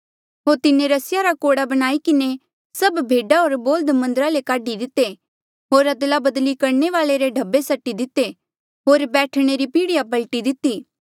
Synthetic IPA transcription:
ɦoːɾt̪ɪnẽɾɐsɪjaɾakoːɽabɐɽ̃aːikɪne | sɐbbʱeːɖaɦoːɾboːld̪mɐ̃nd̪əɾalekaːɖid̪ɪt̪ːe | ɦoːɾɐd̪labɐd̪likɐɾneʋaːleɾeɖʱɐbːesɐʈːid̪ɪt̪ːe | ɦoːɾbɛːʈʰɽ̃eɾipiːɽɪjapɐlʈid̪ɪt̪ːiː

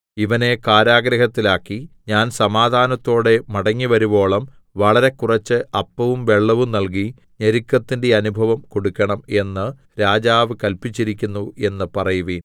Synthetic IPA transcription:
iʋɐne̞kaːɾaːɡɾɐhɐt̪ːilaːkːiɲaːnsɐmaːd̪ʱaːnɐt̪ːo̞ːɽe̞mɐɽɐŋːiʋɐɾubo̞ːɭɐm | ʋɐɭɐɾe̞kurɐt͡ɕːɨʔɐpːɐʋumʋe̞ɭːɐʋumnɐlk̬i | ɲɐɾikːɐt̪ːinde̞ɐnubʱɐʋɐmko̞ɽukːɐɳɐme̞nːɨ | ɾaːd͡ʑaːʋɨkɐlpit͡ɕːiɾikʲːunːue̞nːɨpɐrɐjuʋiːn

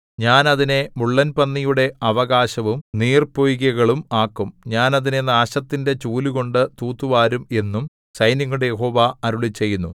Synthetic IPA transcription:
ɲaːnɐðine̞muɭːɐnpɐnːijuɽe̞ʔɐʋɐɣaːɕɐʋumniːrpojiɣɐɣɐɭumaːkːumɲaːnɐðine̞naːɕɐt̪ːinde̞t͡ɕuːluɣo̞ɳɖɨt̪uːt̪ːuʋaːɾume̞nːum | sɐjniŋːuɽejeɦo̞ːʋaɐɾuɭit͡ɕːe̞jːunːu

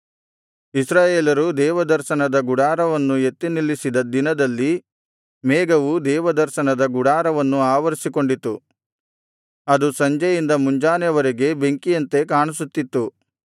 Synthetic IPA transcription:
isɾaːjeːlɐɾud̪ɛːʋɐd̪ɐɾʃɐnɐd̪ɐɡuɽaːɾɐʋɐnːue̞t̪ːinilːisid̪ɐd̪inɐd̪ɐlːi | mɛːɡɐʋud̪ɛːʋɐd̪ɐɾʃɐnɐd̪ɐɡuɽaːɾɐʋɐnːuaːʋɐɾisiko̞ɳɖit̪ːu | ɐd̪usɐɲd͡ʒɐjind̪ɐmuɲd͡ʒaːnjɐʋɐɾeɡe̞be̞ŋkijɐnt̪e̞kaːɳusut̪ːit̪ːu

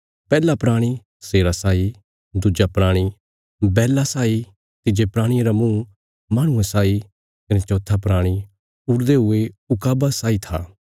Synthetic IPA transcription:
pɛːlapɾaːɽ̃i | seːɾasaːi | d̪ʊd͡ʒapɾaːɽ̃i | bɛːlasaːi | t̪ɪd͡ʒepɾaːɽ̃ieɾamũː | maːɽ̃ʊ̃ẽsaːi | kɐnet͡ʃɔ̃ːt̪ʰapɾaːɽ̃i | ʊɾd̪eɦʊeʊkaːbasaːit̪ʰa̰ː

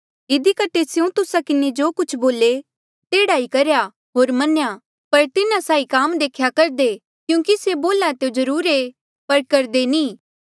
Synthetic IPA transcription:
ɪd̪ikɐʈʰːesjũt̪ʊsakɪned͡ʒoːkʊt͡ʃʰboːle | t̪eːɽaːikɐɾja | ɦoːɾmɐnja | pɐɾt̪ɪnãsaːikaːmd̪eːkʰjakɐɾd̪e | kjũːkiseboːlat̪eod͡ʒɐɾuːɾe | pɐɾkɐɾd̪enĩː

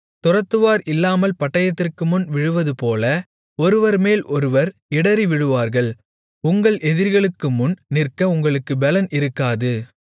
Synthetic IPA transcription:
t̪ʊrɐt̪ːɯʋaːɾɪlːaːmɐlpɐʈːɐjɐt̪ːɪrkɯmʊnʋɪɻɯʋɐðɯpoːlɐ | ɔɾɯʋɐɾmeːlʔɔɾɯʋɐɾɪɽɐɾiʋɪɻɯʋaːɾɣɐɭ | ʊŋɡɐɭʔɛðɪɾɣɐɭɯkːɯmʊnnɪrkɐʊŋɡɐɭɯkːɯbɛlɐnʔɪɾɯkːaːðɯ

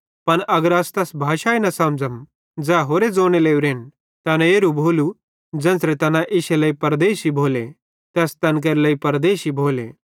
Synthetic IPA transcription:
pɐnʔɐɡəɾast̪ɛsbʱaːʃaːinɐsãmd͡zəm | d͡zɛːɦoːɾed͡zoːñeleːuɾeːn | t̪ɛːnɛeːɾubʱoːlu | d͡zɐɛ̃nsɾɛt̪ɐnãʔɪʃeləipɐɾd̪eːʃibʱoːle | t̪ɛːst̪ɐnk̬ɐɾləipɐɾd̪eːʃibʱoːlḛ

